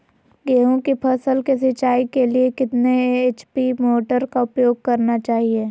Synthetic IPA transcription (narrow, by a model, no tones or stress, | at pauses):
ɡeːɦõkipʰɐsəlkes̬ɪt͡ʃaːikeliekɪt̪neeːt͡ʃpimoːʈəɾkaʊpjoːɡ̚kɐɾnat͡ʃaːɦieː